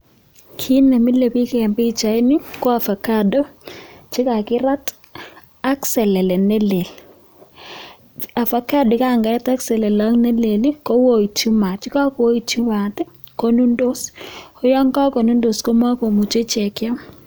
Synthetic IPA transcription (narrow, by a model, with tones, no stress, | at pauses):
kʰi˦nɛ˨mɪ˦le˨pi˦kɛ˨mbi˦t͡ʃa˨i˦nɪ˦kɔ˦a˨fa˨ka˦do˦t͡ʃɪ˦ka˨kɪ˦ɾa˦t | a˦ksɛ˨lɛ˨lɛ˨ne˦le˨l | a˨fa˨ka˦dɪ˨ka˦˨ŋɡa˨ɾɛ˦ta˦ksɛ˨lɛ˨la˦ŋne˦le˨li˦ko˦wo˦i˨t͡ʃu˦ma˨t͡ʃɪ˦ka˦ko˦i˨t͡ʃu˦ma˨tɛ˦ | ko˦nu˦ndo˦so˦jɔ˦ŋka˦ko˨nu˦ndo˨sko˦m˦a˦ko˨mu˨t͡ʃe˦t͡ʃɛ˨kja˦m